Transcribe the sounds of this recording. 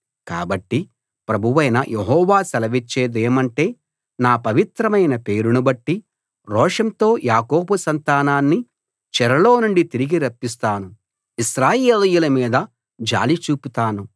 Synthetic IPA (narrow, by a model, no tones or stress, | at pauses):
ka̰ːbɐʈːi | pɾɐbʱuʋɐjnɐjʔeɦɔːʋaːsɐlɐʋit͡ʃːe̞ːd̪eːmɐɳʈe̞ː | naːpɐʋit̪ɾɐmɐjnɐpe̞ːɾunubɐʈːi | ɾɔːʂɐnt̪o̞ːjaːko̞ːbusɐnt̪aːnaːnːi | t͡ʃɛɾɐlo̞ːnuɳɖit̪iɾiɡiɾɐpːis̬t̪aːnu | iʃɾaːjeːljulɐmiːd̪ɐ | d͡ʒa̰ːlit͡ʃuːput̪aːnu